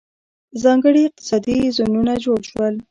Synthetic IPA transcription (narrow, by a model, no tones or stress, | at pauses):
zɑŋɡəɽiɪq̚t̪ɪ̥sɑd̪izununad͡ʒoɽʃwəl